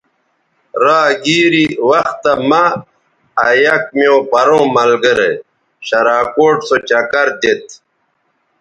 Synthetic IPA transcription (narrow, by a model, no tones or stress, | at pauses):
ɾaːɡiːɾiwɐxt̪ːɐmaː | jɐk̚miõbɐɾõːmɐlɡəɾḛ | ɕɐɾaːkoːʈsot͡ɕɐkɐɾd̪et̪̚